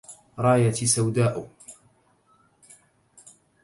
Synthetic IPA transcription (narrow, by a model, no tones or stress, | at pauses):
ɾˤɑːjat̪isawd̪aːʔʊ